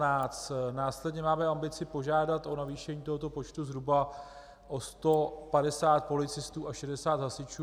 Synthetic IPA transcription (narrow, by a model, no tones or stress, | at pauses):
aːt͡st̪naːslɛdɲɛmaːmɛambɪt͡sɪpo̞ʒaːdat̪ʔo̞naviːʃɛɲiːt̪o̞ɦot̪o̞po̞t͡ʃt̪uzɦɾuba | ʔost̪o̞padɛsaːt̪̚po̞lɪt͡sɪst̪uːʔaʃɛdɛsaːt̪ɦasɪt͡ʃuː